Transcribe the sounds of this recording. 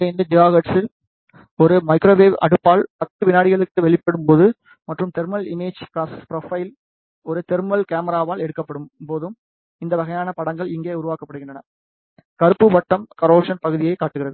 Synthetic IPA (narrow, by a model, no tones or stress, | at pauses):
ɐɪnd̪ɐd͡ʒɪjaːɣɐʈsɪl | ɔɾɯmɐɪkɾoːbeːbɐ̰ɽɯpːaːlpɐt̪ːɯʋɪnaːɽɪɣɐɭɯkːɯʋɛɭɪpːɐɽɯmpoːðɯ | mɐʈrɯmt̪ɛɾmɐlɪmeːd͡ʒkaːspɪɾɐfɐɪl | ɔɾɯt̪ɛɾmɐlkaːmɐɾaːʋaːlɛɽɯkːɐpːɐɽɯmpoːðɯm | ɪnd̪ɐʋɐɣɐjaːnɐpɐɽɐŋɡɐɭɪŋɡeːʊɾʊʋaːkɐpːɐɽɯɣɪɳdrɐnɐ | kɐɾɯpːɯʋɐʈːɐmkɐɾoːpʂɐnpɐɣɯðɪjɐɪkːaːʈːɯɣɪrɐðɯ